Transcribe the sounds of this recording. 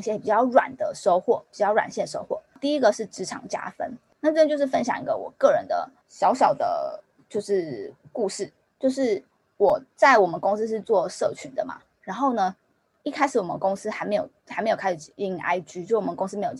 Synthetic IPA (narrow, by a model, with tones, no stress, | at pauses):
ŋɕjɛ˥˩˨pi˨˩t͡ɕjɑ˥˩ʊɻwa̰˨˩nd̪ə˦ʂo˥ʊxwɔ˥˩pi̥˨˩t͡ɕjɑ˥˩ʊwa̰˨˩nɕjɛ˥˩nʂo̰˥ʊxwɔ̰˥˩t̪i˥˨i˦˥ɡə˨ʂɻ̩˥˩ʈ͡ʂɻ̩˧˥ʈ͡ʂʰɑ̰˧˩ŋt͡ɕja̰˥fə̰˥n | na˥˩ʈ͡ʂt͡ɕo˥˧ʊʂɻ̩˥˩fə˦nɕjɑ˨˩ŋi˧˥ɡə̰˨wɔ̰˨˩kɤ˥˩ɻə˧˦nd̪ə̰˧ | ɕjɑ˧˥ʊɕjɑ˨˩ʊd̪ə̰˦ | t͡ɕjo˥˧ʊʂɻ̩˥˩ku˥˧ʂɻ̩˥˩ | t͡ɕjo˥˧ʊʂɻ̩˥˩ | wɔ˨˩t͡sa˥˩ɪwɔ˨˩mə˦nkʊ˥ŋs̩˥ʂ̬ɻ̩˥˧t͡swɔ˥˨ʂɤ˥˩t͡ɕʰy˧˥˦nd̪ə˨ma̰˨˩ | ɻa˧˥nxo˥˩ʊnə˩ | i˥˩kʰa˥ɪʂɻ̩˩wɔ˨˩mə̰˦kʊ˥ŋs̩˥xa˧ɪme˧˥ɪjo̰˨˩ʊxa˨˧˥me˧˥ɪo˨˩kʰa˥ʂ̩˨˩i˨˩i˥˩˨ŋʔa̰˥ɪt͡ɕy˥t͡ɕo˥˧˥ɔ˨˧˦kʊ˥ŋs̬̩˥mjjo˨˩